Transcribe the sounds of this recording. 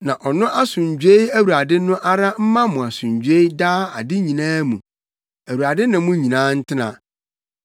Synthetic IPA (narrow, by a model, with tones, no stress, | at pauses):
nã˨ʔɔ˨nʊ̃˦ʔa˦sʊ̃˨ɲ˨d͡ʑᶣe˦i˦æ˦wu˨ɾa˨dɪ˦nʊ̃˦ʔa˦ɾa˦m̩˦mã˦mʊ̃˨a˨sʊ̃˨ɲd͡ʑe˦i˦daː˦a˨dɪ˦ɲĩ˨nãː˦mũ˨ | æ˨wu˨ɾa˨dɪ˦nʊ̃˨˦mʊ̃˦ɲĩ˨nãː˦n̩˦tʰɪ˦nã̰˨